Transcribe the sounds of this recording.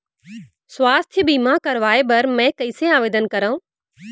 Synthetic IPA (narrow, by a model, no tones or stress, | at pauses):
swaːst̪ʰjəbiːmãkɐɾʋaːebɐɾmɛ̃ːkɐɪseaːʋeːd̪ənkɐɾãũ